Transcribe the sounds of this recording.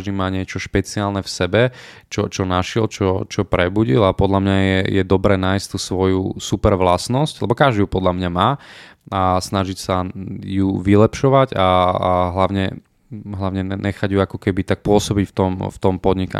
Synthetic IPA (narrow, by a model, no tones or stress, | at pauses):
ʒd̪imaːɲɪɛt͡ʃɔʃpɛt͡siaːlnɛfsɛbɛ | t͡ʃɔt͡ʃɔnaʃɪɛlt͡ʃɔt͡ʃɔpɾɛbuɟilapɔd̪ʎamɲajɛjɛd̪ɔbɾɛːnaːjsct̪uːsʋɔjṵsupɛɾʋlasnɔsclɛbɔkaʒd̪iupɔd̪lamɲamaː | asnaʒicsajuʋilɛpʃɔʋaɟaɦlaʊɲɛ | ɦlaʊɲɛɲɛxaɟjuakɔkɛbit̪ak̚pʊɔsɔbicft̪ɔmft̪ɔmpɔd̪ɲika̰